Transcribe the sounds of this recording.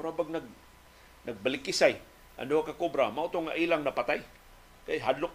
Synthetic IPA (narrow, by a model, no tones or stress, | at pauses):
ɾabaɡ̚naɡ̚ | naɡ̚balɪkɪsaj | ʔa̰nohakakobɾamaʔʊt̪oŋaʔilaŋnapat̪aj | kajɦad̪lʊk